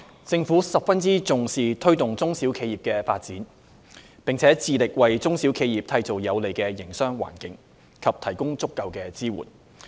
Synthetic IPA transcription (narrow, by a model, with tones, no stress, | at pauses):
t͡sɪ˧ŋfuː˨˥sɐ˨p̚fɐ˥nt͡siː˥t͡sʊ˨ŋsiː˨˩t̪ʰɵ˥ɥt̪ʊ˨ŋt͡sʊ˥ŋsi˨˥wkʰe˨˧jiː˨˩p̚kɛː˧fa̰ː˧t̚t͡siː˨˥n | pɪ˨ŋt͡sʰɛː˨˥t͡siː˨lɪ˨k̚wɐ˨jt͡sʊ˥ŋsiː˨˥wkʰe˨˧jiː˨p̚t̪ʰɐ˧jt͡so˨˩wjɐ˨˧wle˨˩jkɛː˧jɪ˨˩ŋsœː˥ŋwa̰ː˨˩nkɪ˨˥ŋ | kʰɐ˨p̚t̪ʰɐ˨˩jkʊ˥ŋt͡sʊ˥kːɐ˧wkɛː˧t͡siː˥wṵː˨˩n